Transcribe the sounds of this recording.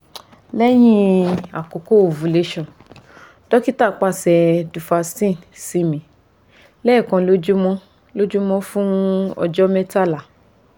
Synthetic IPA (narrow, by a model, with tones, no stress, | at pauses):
lɛ˦j̃ĩ˦a˨ko˨ko˦o˨vu˨le˧ʃɔ̃˨ | tɔ˦ki˦ta˦˨k͡pa˦˨sɛ˧du˨fa˧stĩ˦˨si˨˦mĩ˨ | lɛː˦˨kɔ̃˧lo˦d͡ʒu˦mɔ̃˦ | lo˦d͡ʒu˦mɔ̃˦fũ˦ɔ̰˧d͡ʒɔ˦mɛ˦ta˦˨la˨